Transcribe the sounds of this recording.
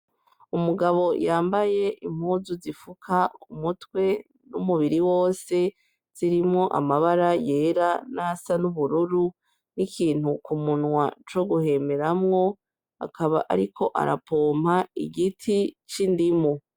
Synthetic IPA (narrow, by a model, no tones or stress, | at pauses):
umuɡaβo̞jaːmbaje̞ʔim̥huːzuzifukʰaumutwe̞ | numuβiɾiwo̞ːse̞ | z̥iɾimŋo̞ʔa̰maβaɾaje̞ːɾanasanuβuɾuɾu | nikʰiːn̥hukumunwat͡ʃo̞ɡuhe̞me̞ɾamŋo̞ | a̰kʰaβaʔa̰ɾikʰo̞ʔa̰ɾa̰pʰo̞ːm̥haḭɡitʰit͡ʃindimo